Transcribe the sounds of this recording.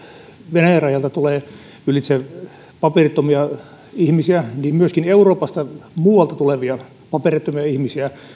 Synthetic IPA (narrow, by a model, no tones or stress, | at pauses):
ʋenæjɑrɑjɑlt̪ɑt̪uleː | ylit̪se | pɑperit̪ːomiɑ | ihmisiæniːmmyøskineuroːpɑst̪ɑmuːwɑlt̪ɑt̪uleʋiɑ | pɑperit̪ːomiɑihmisiæ